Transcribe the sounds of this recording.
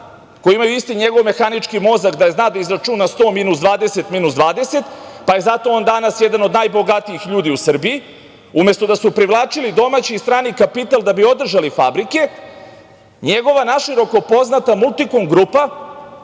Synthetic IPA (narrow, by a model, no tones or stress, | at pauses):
kojiimajuist̪iɲeɡo̞ʋme̞xanit͡ʃkimo̞zakd̪aje̞znaːd̪aizɾat͡ʃunast̪o̞ːminuzd̪ʋaːd̪e̞se̞t̪minuzd̪ʋaːd̪e̞se̞t̪paje̞zat̪o̞ond̪anasje̞d̪ano̞d̪najbo̞ɡat̪iixʎuːd̪iusr̩biji | umje̞st̪o̞d̪asupɾiʋlˠaːt͡ʃilid̪o̞mat͡ɕiːst̪ɾaːnikapit̪alˠd̪abio̞d̪r̩ʒalifabɾike̞ | ɲe̞ɡo̞ʋanaʃiɾo̞ko̞po̞znat̪amulˠt̪ikomɡɾuːpa